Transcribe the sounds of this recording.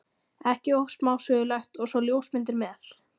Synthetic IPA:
ɛhcɪohsmaːwsœːɣʏlaxt̪ɔɣsvɔljoːwsmɪnt̪ɪɾmɛːθ

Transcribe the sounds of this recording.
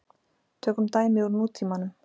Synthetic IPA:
t̪ʰœːkʏmt̪aːjmɪuɾnuːt̪ʰimanʏm

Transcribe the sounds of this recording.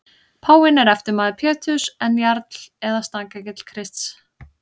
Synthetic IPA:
pʰaːwɪnɛɾɛft̪ɪɾmaːðɪpʰɛːt̪ʰʏsɛnːjaɾt̪l̥ɛðast̪aːkacɪt̪l̥kʰɾɪst̪s

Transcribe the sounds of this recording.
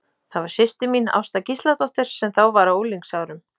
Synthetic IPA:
θaðvaɾ̥sɪst̪ɪmina̰wst̪acist̪lat̪ɔht̪ɪɾ̥sɛmθawvaɾawowliŋksaːwɾʏm

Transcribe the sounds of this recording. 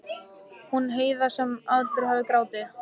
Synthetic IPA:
hunɦeːjðasɛmaðt̪ʏɾ̥havɪkɾaːwt̪ɪ

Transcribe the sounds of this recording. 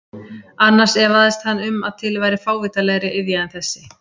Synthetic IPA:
anːaɾ̥sɛvaðɛst̪hanːʏma̰ðt̪ʰɪlvaːjɾɪfaːwviːt̪alɛːɣɾɪʔɪðjaɪnθɛsːɪ

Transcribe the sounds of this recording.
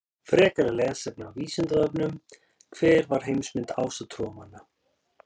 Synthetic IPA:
fɾɛːkaɾalɛːɣasɛp̚naawviːsɪnt̪aðœpnʏm | kʰvɛːɾvaɾ̥ɦejmsmɪnt̪a̰ːwsat̪ʰɾɔːmanːa

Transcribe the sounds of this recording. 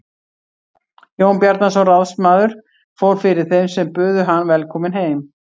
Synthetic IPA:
joːwnpjaɾt̪nasɔwraðsmaːðʏɾ̥ | foːwɾ̥fɪɾɪɾ̥θejmsɛmpʏːðʏɦanːvɛlkʰɔːmɪnɦeːjm

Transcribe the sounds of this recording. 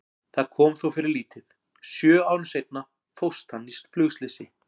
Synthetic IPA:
θaðkʰɔːmθowfɪɾɪɾliːt̪ɪð | sjœːaːwɾʏmsejt̪̚na | fowst̪anːist̪flʏɣst̪lɪsɪ

